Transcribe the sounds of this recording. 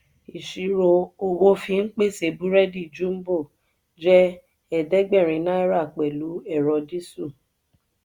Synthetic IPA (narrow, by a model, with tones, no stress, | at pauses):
i˨ʃi˨˦ɾo˧o˧ɡo˦fĩ˧ŋ̩˦k͡pe˦˨se˨bu˦ɾɛ˦di˦˨d͡ʒũ˦m̩˦bo˦˨ | d͡ʒɛ˦ | ɛ˦˨dɛ˦ɡ͡bɛ˦˨ɾ̃ĩ˧˦nã˦i˦ɾa˦˨k͡pɛ˨lu˨˦ɛ˦˨ɾɔ˧di˦su˦˨